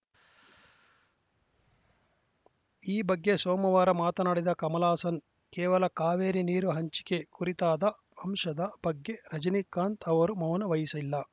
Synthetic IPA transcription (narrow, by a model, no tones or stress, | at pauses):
iːbɐɡːesɔːmɐʋaːɾɐmaːt̪ɐnɐɽid̪ɐkɐmɐlaːsɐn | kɛːʋɐlɐkaːʋeːɾiniːɾuɦɐɲt͡ʃi̥kekuɾit̪aːd̪ɐ | ɐmʂɐd̪ɐbɐɡːeɾɐd͡ʒɐnikːaːnt̪ɐʋɐɾumɐwnɐʋɐjisɐilːɐ